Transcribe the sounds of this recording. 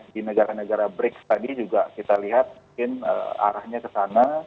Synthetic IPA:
dinəɡaɾanəɡaɾabɾɪkst̪adid͡ʒuɡakit̪aliɦat̪̚muŋkɪnə̰a̰ɾahɲakəsana

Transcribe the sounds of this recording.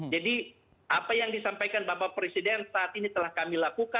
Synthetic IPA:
d͡ʒadi | ʔapajaŋdisampajkanbapapɾesidɛnsaʔːt̪init̪əlahkamilakuka

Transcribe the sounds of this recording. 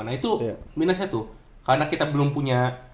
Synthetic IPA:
nait̪uminasɲat̪u | kaɾnakit̪abəlʊmpuɲa

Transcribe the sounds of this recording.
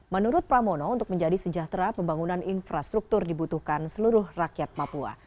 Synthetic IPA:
mənuɾʊt̪̚pɾamonɔunt̪ʊk̚məɲd͡ʒadisəd͡ʒaht̪ɾapəmbaŋunaninfɾast̪ɾuk̚t̪ʊrdibut̪uhkansəluɾʊhrakjat̪̚papua̰

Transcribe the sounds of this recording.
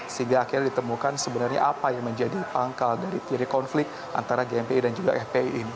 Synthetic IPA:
səɦiŋɡaːkirdit̪əmukansəbənarɲa̰ʔapajaŋməɲd͡ʒadipaŋkaldaɾit̪iɾikɔnflɪkt̪ʔa̰nt̪aɾaɡeɛmpeidand͡ʒuɡa̰ʔɛpeiʔːni

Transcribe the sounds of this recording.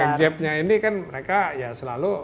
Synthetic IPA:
aŋd͡ʒɛp̚ɲainikanməɾekajasəlalu

